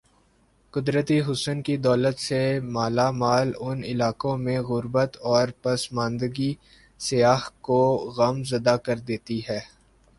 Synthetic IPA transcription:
kʊd̪ɾət̪iɦʊsənkid̪ɔːlət̪semaːlamaːlʊnɪlaːkõmẽɣʊɾbət̪ɔːɾpɐsmãːnd̪əɡi | sijaːɦkoɣɐmzɐd̪akɐɾd̪eːt̪iɦɛː

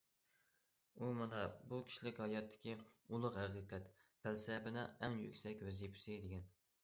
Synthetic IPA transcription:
umɑnɛbukʲʰi̥ʃlɪkʲhɑjɑt̪ʰːɪ̥kʲʰiulˠʊqhæqɨqʰɛt̪pʰælsɛbɪnɪɛŋjy̰kʲsɛkʲvɛzijpʰy̥sɪd̪ɪɡʲɛn

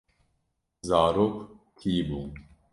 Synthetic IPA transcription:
zaːɾokt̪ʰiːbuː

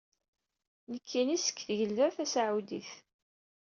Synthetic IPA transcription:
nəkʰːinisə̥kːθʝəlðæθæsaʕud̪ḭθ

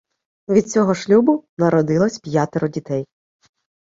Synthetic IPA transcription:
ʋʲid̪̚t͡sʲɔɦɔʃlʲubʊnɐɾɔd̪ɪlˠɔsʲpjat̪eɾʊdʲit̪ɛj

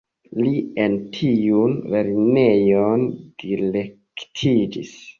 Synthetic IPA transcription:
lientʰiunveɾinejond̥ilektʰid͡ʒis

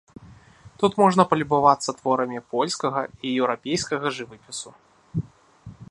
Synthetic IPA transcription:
t̪ut̪mɔʐnɐpɐlʲibavat̪sːɐt̪vɔɾɐmʲipɔlʲskɐɣɐijɛwɾapʲejskɐɣɐʐɨvɨpʲisu

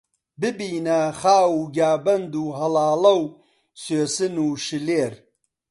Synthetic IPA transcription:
bɨbiːnɐχaːwuːɡaːbɐnd̪uːɦɐlaːlɐw | søːsɨnuːʃɨleːɾ

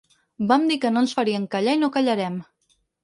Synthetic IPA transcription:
bamd̪ikənoənsfaɾiəŋkaʎainokaʎaɾɛm

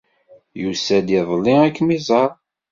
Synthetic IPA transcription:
jusæd̪ɪðˤlːiækːmizˤɑɾˤ

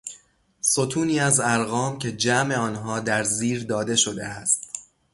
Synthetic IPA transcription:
so̞t̪ʰuːniːæzæɾɣɒːmcʲʰe̞d͡ʒæme̞ɒːnɦɒːd̪æɾziːɾd̪ɒːd̪e̞ʃo̞d̪e̞̰æst̪

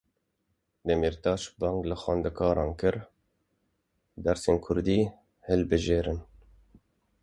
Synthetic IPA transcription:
d̪ɛmiɾt̪ɑːʃbɑːŋɡlɨxɑːnd̪ɨkʰɑːɾɑːnkɨɾ | d̪æɾseːnkʰʊɾd̪iː | hɨlbɨʒeːɾɨn

